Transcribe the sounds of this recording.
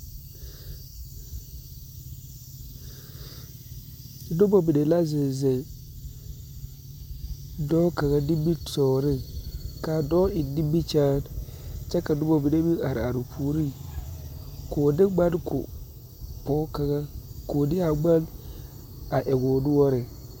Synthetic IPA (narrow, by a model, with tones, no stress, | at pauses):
dʊ˦bɔ˨bi˨de˨la˦zɪ˨zɛ˨ | dɔː˦ka˨ɣa˦di˦bi˦tɔː˨ɾɪ˦ka˨dɔ˦ɪ˨di˦bi˦t͡ʃaː˦nt͡ʃɛ˦ka˨dʊ˦bo˨bi˨de˦bi˦a˨ɾa˨ɾu˨pʰuː˨ɾi˦ | ko˨dɪ˦ɡ͡ba˦dkʰʊ̰˨ | pɔː˦ka˨ɡa˦ko˨dɪ˦a˨ɡ͡ba˦l | a˨ʔɛ˨ɡʊː˨dʊ˦wɔ˦ɾɪ˨